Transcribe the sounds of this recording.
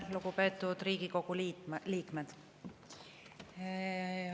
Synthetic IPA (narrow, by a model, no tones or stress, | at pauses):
luɡupe̞ːt̪ːˑud̪ɾiːɡiko̞ɡ̥ulliːkmed̪̥